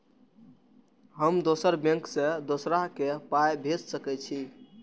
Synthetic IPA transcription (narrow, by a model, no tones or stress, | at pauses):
ɦəmd̪osəɾbẽŋksẽd̪osɾaɦkepajbʱed͡ʒsəkɛt͡ʃʰi